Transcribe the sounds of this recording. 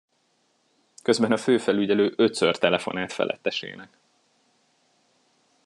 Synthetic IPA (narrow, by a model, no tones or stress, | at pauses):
kø̞zbɛnɒføːfɛlyɟɛløːʔø̞t̪sørt̪ɛlɛfo̞̰naːt̪fɛ̰lʔɛ̰t̪ːɛʃḛːnɛk